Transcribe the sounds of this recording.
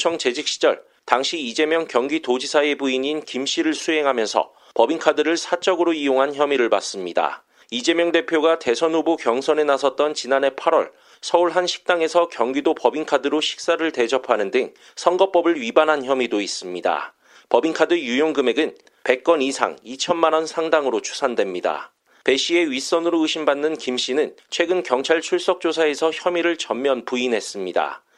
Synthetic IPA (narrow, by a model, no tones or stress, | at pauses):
t͡ɕʰʌŋt͡ɕe̞d͡ʑik̚ɕ͈ʰi̥d͡ʑʌ̰ɭ | taŋɕʰiid͡ʑe̞mjʌŋkjʌŋɡitod͡ʑisʰaebuiɲinkimɕ͈iɾɯɭsʰuɦe̞ŋɦamjʌnsʰʌ̰ | pʌbiŋkʰadɯɾɯɭsʰat͡ɕ͈ʌɡɯɾoijoŋɦançjʌmiɾɯɭpa̰s͈ɯmɲida̰ | id͡ʑe̞mjʌŋde̞pʰjoɡate̞sʰʌnubukjʌŋsʰʌnenasʰʌt̚t͈ʌnt͡ɕinane̞pʰaɾwʌ̰ɭ | sʰʌuɭɦanɕʰi̥k̚t͈aŋe̞sʰʌkjʌŋɡidopʌbiŋkʰadɯɾoɕʰi̥k̚s͈aɾɯɭte̞d͡ʑʌpʰanɯndɯŋ | sʰʌŋɡʌp͈ʌbɯɭɥibanɦançʰjʌmidois͈ɯmɲida̰ | pʌbiŋkʰadɯjujoŋɡɯme̞ɡɯn | pe̞k̚k͈ʌnisʰa̰ŋit͡ɕʰʌnmanʌnsʰaŋdaŋɯɾot͡ɕʰu̥sʰandwe̞mɲida̰ | pe̞ɕ͈ʰie̞ɥis͈ʌnɯɾoɯɕʰimbanːɯnkimɕ͈inɯnt͡ɕʰwe̞ɡɯnkjʌŋt͡ɕʰaɭt͡ɕʰuɭs͈ʌk̚t͡ɕ͈osʰae̞sʰʌçjʌmiɾɯɭt͡ɕʌmmjʌnpuinɦe̞s͈ɯmɲida̰